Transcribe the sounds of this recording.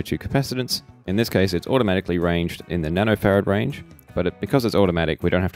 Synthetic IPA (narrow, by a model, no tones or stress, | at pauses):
tʰʉkʰə̥pʰæsɨɾɨ̃ntsʔɨ̃nðɪskʰeɪsɨtsɔ̰ɾəmæɾɨkliɹẽɪ̃nd͡ʒdɨ̰̃nðɨnæɾoʊfɛɹɨd̚ɹẽɪ̃nd͡ʒb̥ʌɾɨt̚b̥ɨkʰʌzɨtsɔɾəmæɾɨ̰kwiɾõʊ̃nhæ̥t